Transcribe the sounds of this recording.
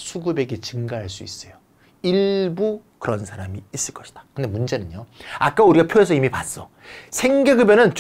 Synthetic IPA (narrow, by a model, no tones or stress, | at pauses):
sʰuɡɯbe̞ɡe̞t͡ɕɯŋɡaɦaɭs͈uis͈ʌjo | iɭbukɯɾʌnsʰaɾamiːs͈ɯɭk͈ʌɕʰi̥d̥ḁkɯnde̞mund͡ʑe̞nɯnɲjoak͈auɾiɡapʰjoe̞sʰʌimipas͈ʌ | sʰe̞ŋɡeɡɯbjʌnɯnt͡ɕ